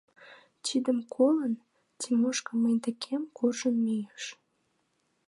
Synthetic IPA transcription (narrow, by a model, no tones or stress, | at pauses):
t͡ɕid̪əmkʰolən | t̪imoʃkəməjd̪ĕkʰemkurʒənmijəʃ